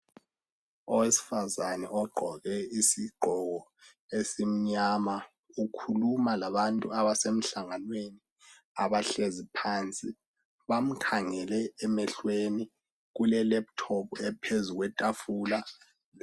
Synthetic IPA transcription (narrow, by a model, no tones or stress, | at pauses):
ɔwesi̥fazanɛɔɡ͡ǃʱɔɣɛisiɡ͡ǃʱɔɣɔ | esim̩ɲama | ukʰulumalaβantʼuaβasem̩ɬaŋanweni | a̰βaɬezipʰaːnt͡sʼi | βam̩kʰaŋɛlɛːmɛɬweni | ɣulɛlɛp̚tʰɔpuɛpʰezuɣwɛtʼafuːla